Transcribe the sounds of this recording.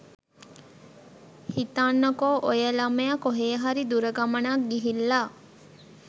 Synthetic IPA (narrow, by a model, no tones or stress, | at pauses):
hit̪anːokoʔojəlɐməjakoɦejɦaɾid̪uɾəɡamənak̚ɡiɦilːa